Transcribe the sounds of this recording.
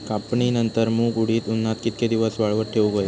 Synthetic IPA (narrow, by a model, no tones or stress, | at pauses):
kapɳinənt̪əɾmũːɡuɽiːt̪unːat̪kit̪̚ked̪iʋəsʋaɭʋəɾʈ̪ʰeũɡəj